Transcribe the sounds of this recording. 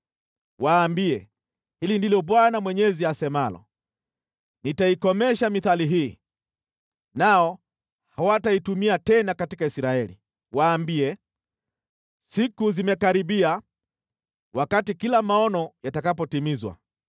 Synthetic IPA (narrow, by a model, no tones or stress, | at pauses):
waːmbiɛ | hilindilɔɓwanamwɛɲɛziasɛmalɔ̰ | nitaikɔmɛʃamiθaliɦiː | naɔ | hhawataitumiatɛnakatikaisiɾaɛlḭ | waːmbiɛ | sikuzimɛkaɾiɓia | wakatikilamaɔnɔjatakapɔtimizwa̰